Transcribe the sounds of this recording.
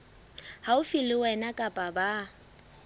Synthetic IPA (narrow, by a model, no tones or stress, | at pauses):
haʊfɪlɪwɛnakʼapʼaba